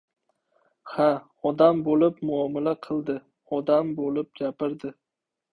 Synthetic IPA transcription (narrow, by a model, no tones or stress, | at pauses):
ha | ɒd̪ambolɪpmʊɒmɪlaqʰɨlˠd̪ɪ | ɒd̪ambolɪp̚ɡʲapɪɾd̪ɪ